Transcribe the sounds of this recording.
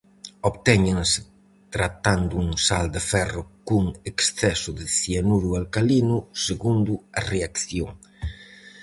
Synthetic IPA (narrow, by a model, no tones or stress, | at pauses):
oβt̪ɛɲeŋsɪ̥ | t̪ɾat̪and̪uuŋsald̪ɪfɛrʊkuŋeksθɛsʊðɪθianuɾualkalinʊseɣund̪ʊareakθjoŋ